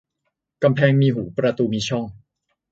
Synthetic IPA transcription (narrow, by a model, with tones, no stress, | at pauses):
ka˧mpʰɛː˧ŋmiː˧ɦuː˩˦pɾa˧t̪uː˧miː˧t͡ɕʰɔ˥˩ŋ